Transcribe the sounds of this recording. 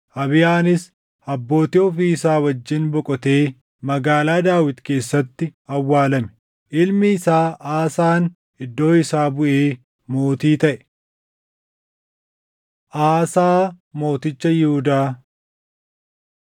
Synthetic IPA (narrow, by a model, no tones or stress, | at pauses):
ʔɐβɪjaːnɪs | ɐbːo̞ːt̪ɪɔfisaːwɐd͡ʒːɪnbɔkʼɔt̪e̞ː | mɐɡaːlaːd̪aːwɪt̪ke̞ːsːɐt̪ːɪɐwːaːlɐmɛ̥ | ʔɪlmɪːsaːʔaːsaːn | ɪd̪ːo̞ːɪsaːbʊʔeː | mo̞ːt̪iːt̪ɐʔɛ̥ | ʔaːsaː | mo̞ːt̪ɪt͡ʃːɐjɪhʊd̪aː